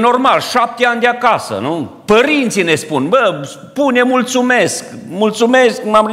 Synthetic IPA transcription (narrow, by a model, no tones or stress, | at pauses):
no̞rmalʃap̚t̪eanʲd̪eakasə̰nupəɾint̪sinespunbəs | punemult̪sumeskmult̪sume̞skmam